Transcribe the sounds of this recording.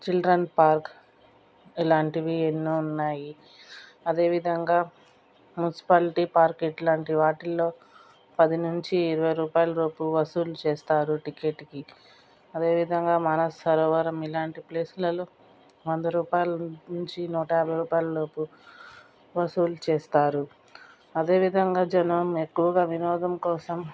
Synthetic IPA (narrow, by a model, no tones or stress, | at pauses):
t͡ʃilɖɾɐnpaːɾk | ilaːɳʈiʋienːuunːaːji | ɐd̪e̞ːʋid̪ʱɐŋɡaː | munisi̥paːliʈipaːɾkiʈlaːɳʈiʋaːʈilːo̞ː | pɐd̪inuɲt͡ʃiːɾɐʋɐjɾuːpaːjlɐɾo̞ːpuʋɐsuːlut͡ʃeːst̪aːɾuʈikeʈːki | ɐd̪e̞ːʋid̪ʱɐŋɡaːmɐnɐsːɐɾɔːʋɐɾɐmilaːɳʈiple̞ːslɐlu | ʋond̪ɐɾuːpaːjɐlɐnuɲt͡ʃinuːʈɐjaːbʱɐjɾuːpaːjlɐɾoːpu | ʋɐsuːlut͡ʃeːst̪aːɾu | ɐd̪e̞ːʋid̪ʱɐŋɡaːd͡ʒɐnʋɐmekːuʋɐɡaːʋinɔːd̪ʱɐmkɔːsɐm